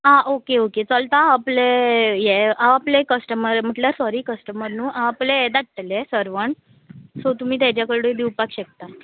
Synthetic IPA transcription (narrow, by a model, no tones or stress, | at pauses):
aʔokeoket͡səlt̪aːplejeaʋaplekəsʈəməɾm̤əʈljaɾsɔɾiːkəsʈəməɾnuːʔaapled̪aʈ̚ʈ̪əlesəɾʋəɳ | sot̪um̤iːt̪̬jat͡ɕjakəɭɽod̪iwpakɕek̚t̪a